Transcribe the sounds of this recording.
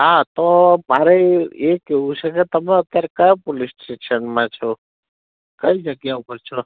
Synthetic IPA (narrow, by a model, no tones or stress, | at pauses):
ɦat̪omaɾeekeɦũt͡ʃʰeket̪əmeət̪jaɾekajpolisʈeʃənmãt͡ʃʰo | kəid͡ʒəɡjaupəɾt͡ʃʰɔ